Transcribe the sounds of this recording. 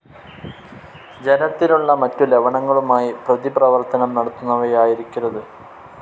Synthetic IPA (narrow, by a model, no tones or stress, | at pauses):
d͡ʑe̞nɐt̪ːinuɭːɐmɐtːuleʋɐɳɐŋːɐɭumaːjiprɐðiprɐʋɐrt̪ɐnɐmnɐɽɐt̪ːunːɐʋɐjaːjiɾikʲːurːɐðɨ